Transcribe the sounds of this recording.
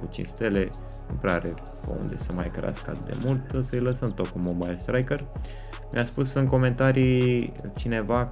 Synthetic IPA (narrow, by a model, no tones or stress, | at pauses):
kut͡ʃḭnst̪e̞le̞ | nupɾeaɾe | pə̰ṵnd̪e̞̰səmajkɾḛa̰skəa̰t̪ɨd̪e̞̰mult̪ɨsəjləsəmt̪okumobajlst̪ɾajkər | miaspusɨnko̞me̞nt̪aɾi | t͡ʃine̞va